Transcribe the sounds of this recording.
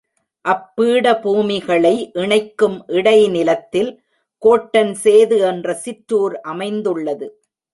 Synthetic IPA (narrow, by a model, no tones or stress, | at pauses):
ʔɐpːiːɽɐbuːmɪɣɐɭɐɪʔɪɳɐɪkːɯmʔɪɽɐɪnɪlɐt̪ːɪl | koːʈːɐnseːðɯɛndrɐsɪʈɾuːɾʔɐmɐɪnd̪ɯɭːɐðɯ